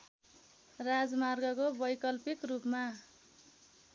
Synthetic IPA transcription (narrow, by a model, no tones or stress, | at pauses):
rad͡zmarɡʌkobʌjkʌlpikrupma